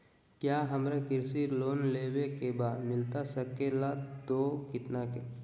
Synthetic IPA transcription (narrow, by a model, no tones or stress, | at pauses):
kjaːɦəmɾekɪɾsiːɾloːnleːwekebamɪlt̪asəkelat̪okɪt̪nake